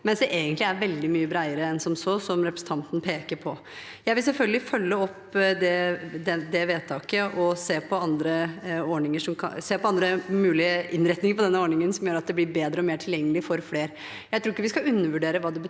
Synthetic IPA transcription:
mɛnsd̪ɛʔeːɡənt̪lɪæɾʋɛld̪ɪmyːəbɾæɪəɾəɛnsɔmsɔsɔmɾɛpɾəsn̩t̪ʰɑnt̪n̩pʰeːkəɾpʰɔ | jæɪʋɪls̬ɛlfœlɡəlɪfœlːəɔpː | d̪ɛd̪ɛd̪ɛʋeːt̪ʰɑːkəʔɔseːpʰɔɑnd̪ɾəɔɳɪŋəʂɔmkʰɑseːpʰɔɑnd̪ɾəmʉːlɪəʔɪnɾɛt̪nɪŋəɾpʰɔd̪ɛnːəɔːɳɪŋənsɔmjøːɾɑt̪̚d̪ɛblɪɾbeːd̪ɾəɔmeːʈʰɪljɛŋːəlɪfɔɾfleːɾ | jæɪt̪ʰɾuːɾɪkːəʋɪskɑʉnːəʋʉɖeːɾəʋɑːd̪ɛbə

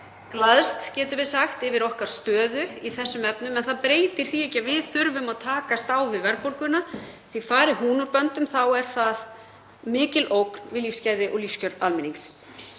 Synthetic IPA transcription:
klaðst̪cɛːt̪ʏɾvɪðsaxt̪ɪvɪɾɔhkaɾ̥st̪œːðʏiθɛsːʏmɛpnʏmɛnθaðpɾeːjt̪ɪɾ̥θiɛcavɪðθʏɾvʏmaðt̪ʰaːkast̪awvɪðvɛɾpoɾkʏnaθifaːɾɪhuːnʏɾpœnt̪ʏmθawɛɾ̥θað | mɪːcɪlowkn̥vɪðlifscaːjðɪʔɔɣlifscœɾalmɪniŋs

